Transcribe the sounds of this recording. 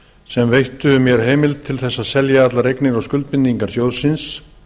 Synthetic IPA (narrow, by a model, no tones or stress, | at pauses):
sɛmvejht̪ʏmjɛɾ̥ɦeːjmɪlt̪ʰːɪlθɛsːaðsɛljaat̪laɾejknɪɾawskʏlt̪̚pɪnːiŋkaɾ̥sjowðsɪns